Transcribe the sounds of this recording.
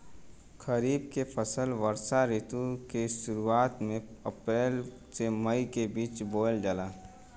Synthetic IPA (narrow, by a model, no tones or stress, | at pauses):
kʰəɾiːb̚kepəsəlʋəɾsaɾet̪ukeʃʊɾuaːt̪mẽəpɾeːl | seməikebiːt͡ʃboːld͡ʒəlaː